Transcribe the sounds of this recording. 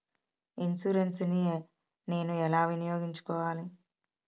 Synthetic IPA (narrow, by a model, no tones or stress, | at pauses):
insuɾensni | ne̞ːnuɛlaːʋinijoːɡiɲt͡ʃu̥kɔːʋaːli